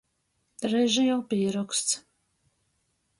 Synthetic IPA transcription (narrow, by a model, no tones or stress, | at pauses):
ɾɛʒijawpiɛɾɔkst̪s